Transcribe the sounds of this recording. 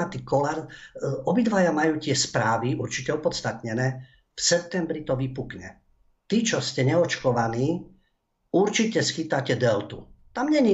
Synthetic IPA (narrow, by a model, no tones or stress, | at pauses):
at̪ikɔlaɾɔbid̪ʋajamajuːcɪɛspɾaːʋiuɾt͡ʃicɛɔpɔt̪st̪at̪ɲɛnɛː | fsɛp̚t̪ɛmbɾit̪ɔʋipukɲɛ | t̪it͡ʃɔscɛɲɛɔt͡ʃkɔʋaniː | uɾt͡ʃicɛsxit̪acɛd̪ɛlt̪ut̪amɲɛɲi